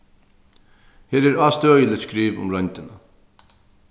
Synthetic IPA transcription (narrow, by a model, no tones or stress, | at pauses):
heːɾɛɾaːst̪øːjəlɪskɾiːvʊ̰mɾœnt̪ɪna